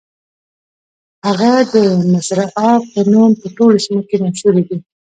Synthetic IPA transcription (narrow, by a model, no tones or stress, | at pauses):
haɣad̪ənasɾaʔɑpənumpəʈolosimokenaʃuɾed̪i